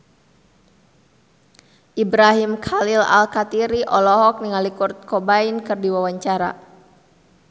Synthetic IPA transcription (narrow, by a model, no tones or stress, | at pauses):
ʔibɾaɦimkʰalila̰lkat̪iɾiʔɔlɔɦɔk̚niŋalikurt̪̚kɔbainkɨrdiwawaɲt͡ʃaɾa̰